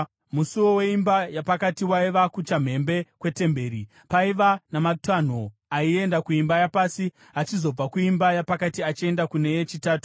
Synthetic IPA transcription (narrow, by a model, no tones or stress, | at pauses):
musuwo̞we̞imbajapakatiwaiʋakut͡ʃam̤e̞mbe̞kwe̞te̞mbe̞ːɾi | paiʋanamatan̤o | aie̞ndakuimbajapaːsi | ɦat͡ʃizo̞b͡vakuimbajapakatiat͡ʃie̞ndakune̞jet͡ʃitaːtu̥